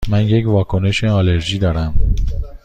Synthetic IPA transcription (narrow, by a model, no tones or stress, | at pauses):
mænjecvɒːkʰo̞ne̞ʃeɒːleɾʒiːd̪ɒːɾæm